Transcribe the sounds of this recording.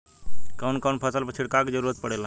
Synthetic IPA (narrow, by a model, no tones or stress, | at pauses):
kəwnkənpʰəsəlpət͡ʃʰiɽkakid͡ʒəɾuːɾət̪̚pəɽela